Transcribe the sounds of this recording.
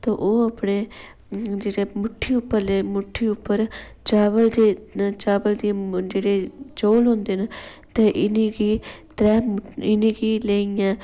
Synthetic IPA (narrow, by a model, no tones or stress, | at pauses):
t̪oʔoːɐpɽe | d͡ʒeːɽemʊʈʰːiʊpːəɾlemʊʈʰːiʊpːəɾ | t͡ʃaːbəld̪et͡ʃaːbəld̪id͡ʒeːɽet͡ʃoːlɦõːnd̪eːn | t̪eʔɪniɡiːt̪ɾɛːɪniɡiːleːijãː